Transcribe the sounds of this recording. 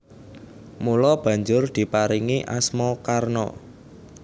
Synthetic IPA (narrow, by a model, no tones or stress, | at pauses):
mulɔb̥ä̤ɲd͡ʒʊrd̪̥i̤paɾiŋiʔa̰smɔkarnɔ̰